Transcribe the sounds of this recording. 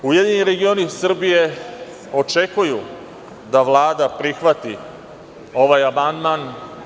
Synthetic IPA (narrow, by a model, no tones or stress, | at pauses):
ujed̪iɲiɾe̞ɡio̞nisr̩bije̞ | o̞t͡ʂekuju | d̪aʋlˠaːd̪apɾixʋat̪i | o̞ʋaːjamand̪man